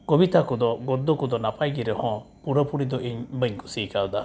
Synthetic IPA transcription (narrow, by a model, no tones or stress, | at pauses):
ɡ̥ɔbit̪akɔd̪ɔɡɔɾd̪ɔkɔd̪ɔnapʰajɡiɾɛhɔ̃puɾəpuɽid̪ɔʔiɲbəɲkɔsikawd̪a